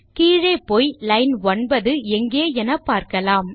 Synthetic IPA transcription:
kiːɻeːpoːjlɐɪnʋɐnbɐðɯɛŋɡeːɛnɐpːaːɾkɐlaːm

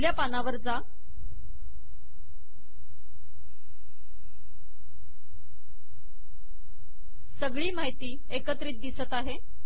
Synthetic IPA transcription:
ljapanaʋəɾd͡za | səɡɭiːmaɦjt̪iː | ekət̪ɾiːt̪̚d̪isət̪aɦe

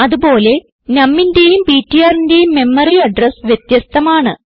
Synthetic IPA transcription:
ɐðubo̞ːle̞ | nɐmːindejumpiːtːijaːrinde̞jumːe̞mːɐriɐɖrɐsʋjet̪jɐst̪ʰɐmaːɳɨ

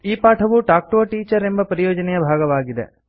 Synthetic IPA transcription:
iːpaːʈʰɐʋuʈaːk̚ʈoːʈiːt͡ʃɐɾe̞mbɐpɐɾijɔːd͡ʒɐnɛjɐbʱaːɡɐʋaːɡid̪ḛ

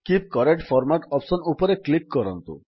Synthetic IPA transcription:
kip̚kɔɾeʈpʰɔɾmaʈɔpsɔnupɔɾeklikːɔɾɔnt̪ṵ

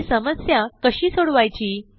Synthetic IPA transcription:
səməsjakəɕiːsoɽʋajt͡ɕiː

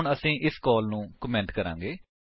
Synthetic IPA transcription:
ɳəsĩːʔɪskɔːlnũːkəmɛ̃ɳʈkəɾã̰ːŋɡeː

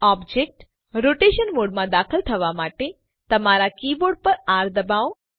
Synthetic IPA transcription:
ɔːbd͡ʒek̚ʈ | ɾoːʈeːʃənmoːɽmãd̪aːkʰəlt̪ʰɐʋamaːʈe | t̪ɐmaɾakiːboːɖpəɾaːɾd̪ɐbaːõ

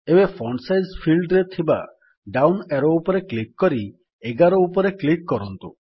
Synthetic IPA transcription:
ebefʰɔɳsajzpʰilɖɾet̪ʰiba̰ | ɖawneɾoupɔɾeklikːɔɾi | eɡaɾoupɔɾeklikːɔɾɔnt̪u

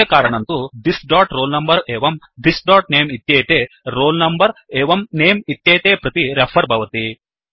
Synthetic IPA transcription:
eːkaːɾɐɳɐnt̪ud̪isɖaːʈɾoːlnɐmbɐɾeːʋɐm | d̪isɖaːʈ̚neːmit̪jeːt̪eː | ɾoːlnɐmbɐɾeːʋɐmneːmit̪jeːt̪eːpɾɐt̪iɾɐpʰɐɾbʱɐʋɐt̪i

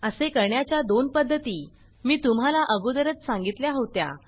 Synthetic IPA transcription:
əsekəɾɳjat͡ɕjad̪onpəd̪ʱːət̪iː | miːt̪um̤ɦalaʔəɡod̪əɾət͡ssãŋɡit̪ljaɦot̪ja̰

